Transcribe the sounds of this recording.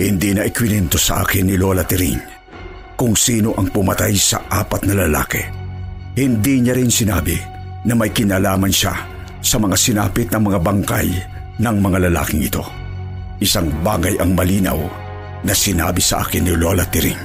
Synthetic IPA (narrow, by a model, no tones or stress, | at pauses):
hɪnd̪inɐʔɪkwɪnɛnt̪osɐʔa̰ːkɪnːɪloːlɐt̪ɪɾḭŋ | kʊŋsiːno̞ʔɐŋpʊmɐt̪ajsɐ̰ʔaːpɐt̪̚nɐlɐla̰ːki | hɪnd̪iɲaɾɪnsɪna̰ːbɪ | nɐmɐjkɪnaːlaːmɐnʃa̰ | sɐmɐŋasɪnaːpɪt̪nɐŋmɐŋabɐŋka̰j | nɐŋmɐŋalɐla̰ːkɪŋɪt̪o̞̰ | ʔɪsaŋba̰ːɡɐjʔɐŋmɐliːnɐ̰w | nɐsɪna̰ːbɪsɐʔa̰ːkɪnːɪlolat̪ɪɾḭŋ